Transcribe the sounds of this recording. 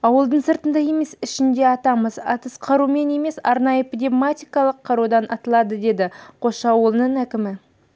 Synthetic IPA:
ɑwəlˠd̪əɴsəɾt̪ənd̪ɑje̞me̞sɪʃɪnd̪e̞ɑt̪ɑməzɑ̰t̪əsqʰɑɾume̞ne̞me̞sɑɾnɑjəpd̪ʲemat̪ijkɑlˠəqʰːɑɾud̪ɑnʔɑt̪əlˠɑd̪əd̪e̞d̪ɪqʰo̞ʃɑwəlˠənəɴækʲɪmɪ

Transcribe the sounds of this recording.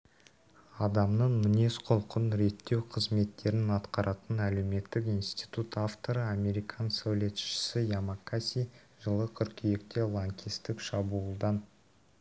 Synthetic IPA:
ɑd̪ɑmnəɴmɪne̞sqʰolˠqənɾe̞t̪ːe̞wqʰəzme̞t̪ːe̞ɾɪnɑt̪qɑɾʔɑt̪ənæle̞wme̞t̪ːɪkijnst̪ijt̪ut̪aft̪o̞ɾəame̞ɾijkʰɑnsawle̞t̪ʃɪ̥sɪjamakːasʲi | ʒəlˠəkʲʰʏɾkʲʰijekt̪e̞lˠaŋkʲist̪ɪkʃɑbuːlˠd̪ɑn

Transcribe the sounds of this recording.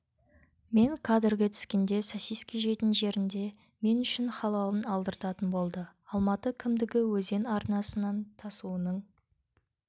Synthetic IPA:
me̞ŋkʰɑd̪ɪɾɡʲet̪ʰʏ̥skʲe̞nd̪e̞sosijskʲiʒe̞t̪ɪnʒe̞ɾɪnd̪e̞ | me̞nʏʃɪnχɑlˠɑlˠənɑlˠd̪əɾt̪ɑt̪ənbo̞lˠd̪ə | ɑlˠmɑt̪əkʲʰɪmd̪ɪɡʲɪwɵze̞nɑɾnɑsənɑnt̪ʰɑsuənəɴ

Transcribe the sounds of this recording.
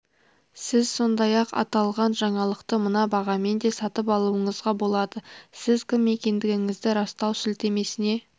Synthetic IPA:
sɪzso̞nd̪ɑjɑqɑ̰t̪ɑlˠʁɑnʒɑɴɑlˠəqt̪əmənɑbɑʁɑme̞nd̪e̞sɑt̪əpɑlˠuəɴəzʁɑbo̞lˠɑd̪əsɪzkʲɪmːe̞kʲe̞nd̪ɪɡʲɪŋɪzd̪ɪɾɑst̪ɑwsʏlt̪e̞me̞sɪne̞

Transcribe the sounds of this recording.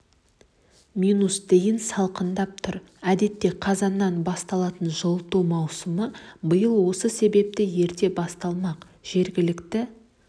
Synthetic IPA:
mʲinusd̪ejɪnsɑlˠqənd̪ɑp̚t̪ʰʊɾ | æd̪e̞t̪ːe̞qʰɑzɑnːɑnbɑst̪ɑlˠɑt̪ənʒolˠt̪umɑwsəməbəjəlˠwo̞səse̞be̞p̚t̪ɪje̞ɾt̪e̞bɑst̪ɑlˠmɑq | ʒ̥e̞ɾɡʲɪlɪkt̪ɪ

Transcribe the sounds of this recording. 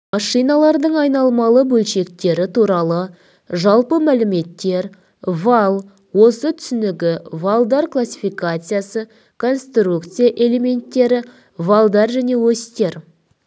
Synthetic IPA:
mɑʂijnɑlˠɑɾd̪əɴɑjnɑlˠmɑlˠəbɵlʃe̞k̚t̪e̞ɾɪt̪ʰuɾɑlˠə | ʒɑlˠpəmælɪme̞t̪ːe̞ɾ | vɑlˠ | wo̞sət̪ʰʏ̥sɪnɪɡʲɪvalˠd̪ɑɾklˠasʲːi̥fijkat̪sɨjasə | kʰo̞nst̪rukt̪sɨjaʔe̞le̞me̞nt̪ːe̞ɾɪ | valˠd̪ɑɾʒæne̞wɵst̪e̞ɾ

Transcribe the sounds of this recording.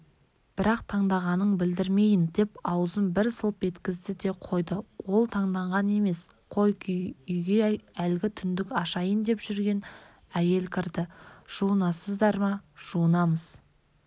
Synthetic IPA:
b̥ɪɾɑqt̪ʰɑɴd̪ɑʁɑnəɴbɪld̪ɪɾme̞jɪnd̪e̞pɑwəzəmbɪɾsəlˠpe̞t̪kʲɪzd̪ɪd̪e̞qʰo̞jd̪əwo̞lˠt̪ʰɑɴd̪ɑɴʁɑne̞me̞s | qʰo̞jkʏjɡʲe̞ælɡʲɪt̪ʰʏnd̪ɪkɑʃɑjənd̪e̞pʒ̥ʏɾɡʲe̞n | æje̞lkʲʰɪɾd̪ɪʒ̥uənɑsəzd̪ɑɾmɑʒ̥uənɑməz̥

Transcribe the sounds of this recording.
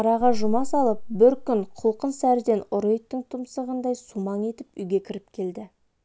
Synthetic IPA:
ɑɾɑʁɑʒʊmɑsɑlˠəp̚bɪɾkʲʏnqʰʊlˠqənsæɾd̪e̞nʊɾojt̪ːəŋt̪ʰʊmsəʁənd̪ɑjsumɑŋe̞t̪ɪpʏjɡʲe̞kʲʰɪɾɪp̚kʲʰe̞ld̪ɪ

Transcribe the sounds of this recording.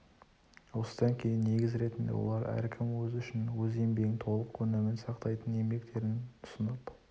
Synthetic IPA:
wo̞sə̥d̪ɑŋkʲʰe̞jɪnːe̞ɡʲɪzɾe̞t̪ɪnd̪ewo̞̰lˠɑɾæ̰ɾkʲʰɪmwɵzʏʃɪnwɵze̞mbe̞ɡʲɪŋt̪ʰo̞lˠəqkʰɵnemɪnsɑqt̪ɑjt̪əne̞mɡʲe̞kt̪e̞ɾɪnʊ̥sənɑp

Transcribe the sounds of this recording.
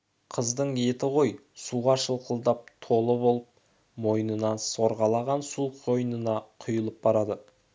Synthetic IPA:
qʰəzd̪əɴe̞t̪ɪʁo̞jsuʁɑʃəlˠqəlˠd̪ɑp̚t̪ʰo̞lˠəbo̞lˠəp̚ | mo̞jnənɑnso̞ɾʁɑlˠɑʁɑnsuqʰo̞jnənɑqʰʊjəlˠəp̚bɑɾɑd̪ə

